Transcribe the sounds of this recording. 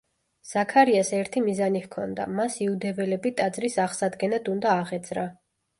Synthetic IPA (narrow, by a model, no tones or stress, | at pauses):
z̥akʰaɾiasɛɾt̪ʰimizanihkʰɔnd̪a̰masiud̪ɛvɛlɛbit̪ʼad̪zɾisaʁsad̪ɡɛnad̪und̪aːʁɛd̪z̥ɾa